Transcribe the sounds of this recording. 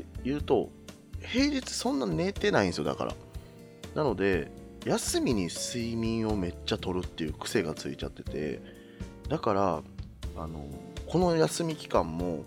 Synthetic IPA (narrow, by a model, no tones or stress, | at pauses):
jɯ̟ːt̪o̞ | he̞ːɾit͡sɨ̥sõ̞nːaɲne̞ːt̪e̞naĩsjo̞d̪a̰ka̰ɾa̰ | nano̞d̪e̞ | jasɨmʲiɲ̟isɨimʲĩɰ̃o̞me̞t͡ɕːat̪o̞ɾɯ̟t̪ːe̞jɯ̟ːkɯ̟̥se̞ɡat͡sɨ̰it͡ɕa̰t̪ːe̞t̪e̞̰ | d̪akaɾa | ano̞̰ko̞no̞jasɨmʲikʲi̥kãmːo̞